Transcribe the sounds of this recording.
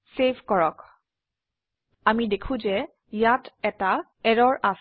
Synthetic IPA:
sebʱkɔɹɔk | amidekʰʊ̃zɛ | jatɛta | ɛɹɔɹʔas

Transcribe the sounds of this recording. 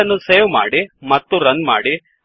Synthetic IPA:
ɐnːuseːʋma̰ːɽimɐt̪ːuɾɐnma̰ːɽi

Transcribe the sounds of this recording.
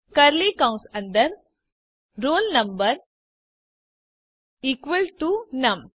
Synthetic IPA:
kɐɾliːkãw̃nsɐ̃nd̪ɐɾ | ɾoːlnɐ̃mbɐɾ | ikʋəlʈunɐm

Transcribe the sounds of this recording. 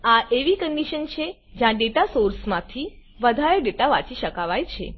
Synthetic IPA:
aʔeʋikəɳɖiʃənt͡ʃʰe | d͡ʒjãɖeʈasoɾsmãt̪ʰi | ʋəd̪ʱaɾeɖeʈaʋat͡ʃiʃəkaʋajt͡ʃʰḛ

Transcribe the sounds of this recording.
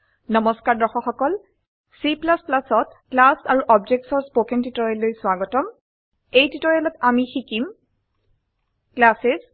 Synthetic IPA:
nɔmɔskaɹdɔxɔxɔkɔl | siplasplasɔtklasaɹuʔɔb̚d͡ʒek̚tsɔɹspokentitɔɹɛlːojswaɡɔtɔm | ejtitɔɹjɛlɔtamixikim | klases

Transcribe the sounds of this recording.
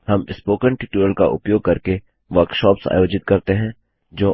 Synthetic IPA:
hɐmɪspoːkəɳʈiːʈuːɾəlka̰ʔʊ̰pjoːɡ̚kɐɾke | ʋɐɾkʃɔːpsa̰ːjoːd͡ʒɪt̪̚kɐɾt̪eɦɛ̃ | d͡ʒoː

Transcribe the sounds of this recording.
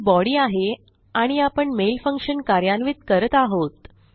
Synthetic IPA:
bɔɽiːaɦe | aɽ̃iapəɳmelfəŋkʂənkaɾjanʋit̪̚kəɾət̪aɦot̪

